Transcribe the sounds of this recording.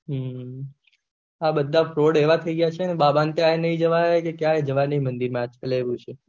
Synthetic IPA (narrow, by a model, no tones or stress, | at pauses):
ɦə | abəd̪ʱːafɾoɽeʋat̪ʰəiɡjat͡ʃʰeənebabant̪jãenəɦĩd͡ʒəʋaekekjaed͡ʒəʋajnəĩmə̃nd̪iɾmãat͡ʃkaleʋũt͡ʃʰe